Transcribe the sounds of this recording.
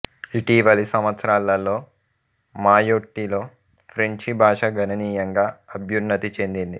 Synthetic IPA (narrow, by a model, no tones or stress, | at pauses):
iʈiːʋɐlisɐmʋɐt̪sɐɾaːlːɐlːo̞ː | maːjoːʈːiloː | pʰɾeɲt͡ʃibʱaːʂɐɡʱɐnɐniːjɐŋɡaːɐbʱjunːɐt̪it͡ʃe̞nd̪ind̪i